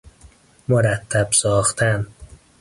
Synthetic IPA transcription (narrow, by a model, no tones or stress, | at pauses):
moɾæt̪ʰːæbsɒːxt̪ʰæn